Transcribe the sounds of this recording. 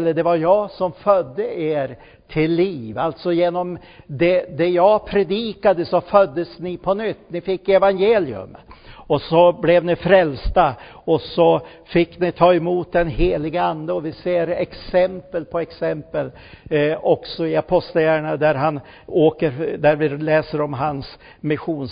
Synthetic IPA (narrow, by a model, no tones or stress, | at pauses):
lːəɖɛvaɾjɑːsɔmfœd̪ːəʔeːɾ | t̪ʰɪlːiːvalt̪sɔjeːnɔm | d̪ɛd̪ɛjɑːpʰɾɛd̪iːkad̪əsɔfœd̪ːəsnɪpʰɔnʏt̪ːnɪfɪkːɛvanjeːlɪɵ̰mɔsɔblɛvnɪfɾɛlst̪a | ɔsɔ | fɪkːnɪt̪ʰɑːɛmuːt̪̚d̪ɛnɦeːlɪɡəand̪əɔvɪseːɾɛksɛmpəlpʰɔɛksɛmpəl | ɔksɔɪapʰɔst̪lajæːɾɳad̪æɾɦan | oːkəɾd̪æɾvɪlɛːsəɾɔmɦans | mɪɧuːn